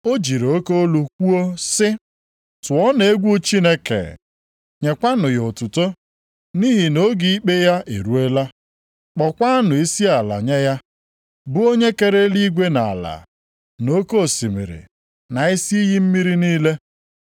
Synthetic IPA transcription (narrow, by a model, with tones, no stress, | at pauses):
o˦d͡ʒi˨ɾo˦ko˦o˦lu˨kʷu˦o˦sɪ˦ | tʊ˨ɔ˦ne˨e˦ɡʷu˦t͡ʃi˦ne˦kḛ˨ | ɲe˨kʷa˦nʊ˨jo˨tʊ˨to˦ | ni˦ɦi˨no˦ɡi˦i˦k͡pe˦ja˦ʔḛ˨ɾu˦e˦la˦ | k͡pɔ˨kʷa˦nʊ˨i˦si˦a˨la̰˨ɲe˦ja˦ | bʊ˦o˦ɲe˦ke˨ɾe˦li˦ɡʷe˦na̰˨la̰˨ | no˦ko˦˨si˨mḭ˨ɾḭ˨ | na˨i˦si˦i˦ɦi˦m̩˦mi˦ɾi˦niː˦le˦